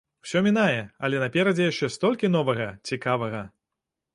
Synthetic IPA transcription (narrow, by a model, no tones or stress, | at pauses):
w̥sʲɔmʲinajɛɐlʲɛnɐpʲɛɾɐd͡zʲɛjaʂt͡ʂɛst̪ɔlʲkʲinɔvɐɣɐt͡sʲikavɐɣɐ